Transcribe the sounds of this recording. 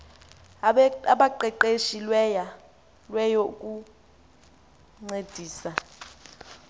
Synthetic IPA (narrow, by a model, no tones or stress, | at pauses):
aɓaǃɛǃeʃilwɛja | lwɛjokʼu | ŋ͡ǀed̥ʱiːsa